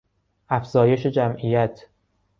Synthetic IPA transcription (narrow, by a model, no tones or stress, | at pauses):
ʔæfz̥ɒːje̞ʃed͡ʒæmʔijæt̪ʰ